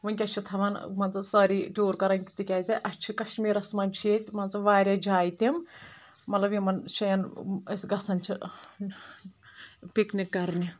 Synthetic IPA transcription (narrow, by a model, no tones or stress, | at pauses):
ʋɨnʲkʲɐt͡ʃʰit̪ʰɐʋɐnmɐnt͡sɨsɐɾiʈoːɾkɐɾɐŋkit̪ikʲaːd͡zɐʔɐst͡ʃʰikɐʃmiːɾɐsmɐnʲt͡ʃʰeːt̪ʲmɐnt͡sɐʋaːɾʲad͡ʒaːjt̪imː | ɐt̪lɐbjimɐnʃɐjɐnɐ̰sɡɐsʰɐnt͡ʃʰi | piknikːɐɾni